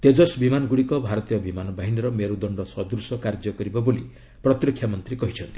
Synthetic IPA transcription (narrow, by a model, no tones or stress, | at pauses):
t̪ed͡ʒɔsbimanɔɡuɽikɔbʱaɾɔt̪ijɔbimanɔbaɦiniɾɔmeɾud̪ɔɳɖɔsɔd̪ɾusɔkaɾd͡ʒɔkɔɾibaboli | pɾɔt̪ɾɔkʰjamɔnt̪ɾikɔɦit͡ʃʰɔnt̪ʰi̥